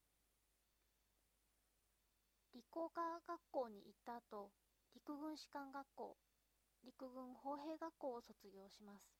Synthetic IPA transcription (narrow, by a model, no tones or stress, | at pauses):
ɾʲiko̞ːkaɡakːo̞ːɲ̟ḭʔit̪ːaːt̪o̞ | ɾʲikɯ̟ɡɯ̟̃ɰ̃ɕi̥kãŋɡakːo̞̰ː | ɾʲikɯ̟ɡɯ̟̃ɴ̃ho̞ːɦe̞ːɡakːo̞ːso̞t͡sɨɡʲo̞ːɕimasɨ̥